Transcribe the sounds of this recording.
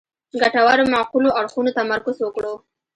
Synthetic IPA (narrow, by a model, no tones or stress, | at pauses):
ɡaʈawaɾomaquloaɽxunot̪amaɾkoswəkɽo